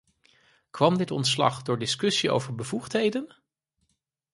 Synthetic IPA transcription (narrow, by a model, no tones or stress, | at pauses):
kʋɑmdɪtɔ̰ntslɑ̰χdʊːɹdɪskɵsio̰wvəɹbəvuχtɦejdən